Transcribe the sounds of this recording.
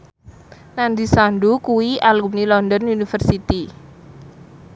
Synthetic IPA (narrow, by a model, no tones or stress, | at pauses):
nand̪isandukuwialumnilɔnd̪ɔnunifərsit̪i